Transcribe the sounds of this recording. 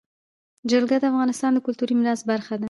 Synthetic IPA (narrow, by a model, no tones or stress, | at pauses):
d͡ʒalɡad̪əafɣɑnɪst̪ɑnd̪əkʊlt̪uɾimɪɾɑs̚baɾxad̪a